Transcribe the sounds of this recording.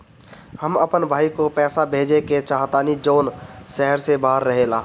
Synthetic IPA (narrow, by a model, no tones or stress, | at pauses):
həməpənbʱaːikopɛːsabʱeːd͡ʒeket͡ʃaːɦt̪aːnid͡ʒoːnsɛɦəɾsebaːəɾːəɦelaː